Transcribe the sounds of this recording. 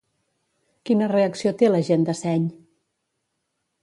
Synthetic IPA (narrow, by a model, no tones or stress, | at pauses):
kinəreəksiot̪eləʒend̪əsɛɲ